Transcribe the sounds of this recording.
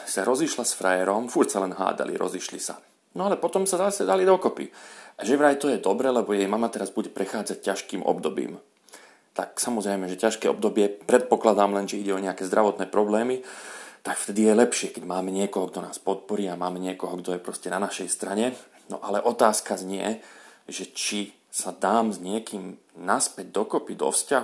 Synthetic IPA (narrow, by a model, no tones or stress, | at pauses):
saɾɔziʃlasfɾajɛɾɔmfuɾcsalɛnɦa̰ːd̪a̰lḭɾɔ̰ziʃlḭsa̰ | nɔalɛpɔt̪ɔmsazasɛd̪alid̪ɔkɔpḭʔaʒɛʋɾajt̪ɔjɛd̪ɔbɾɛːlɛbɔjɛjmamat̪ɛɾazbuɟɛpɾɛxaːd͡zac̚cːaʃkiːmʔɔ̰bd̪ɔbḭːm | t̪a̰ksamɔzɾɛjmɛʒɛcaʃkɛːɔ̰bd̪ɔbɪɛpɾɛt̪̚pɔklad̪aːmlɛnʒɛiɟɛɔɲɛakɛːzd̪ɾaʋɔt̪nɛːpɾɔblɛːmit̪akft̪ɛd̪ijɛlɛpʃɪɛkɛɟmaːmɛɲɪɛkɔɦɔɡd̪ɔna̰ːspɔt̪̚pɔɾiːamaːmɛɲɪɛkɔɦɔɡd̪ɔjɛpɾɔscɛnanaʃɛjst̪ɾaɲɛ | nɔ̰ʔalɛʔɔt̪aːskazɲɪɛ̰ʒɛt͡ʃi | sad̪aːmzɲɪɛkiːm | naspɛɟ̚d̪ɔkɔpid̪ɔ̰fscaɦ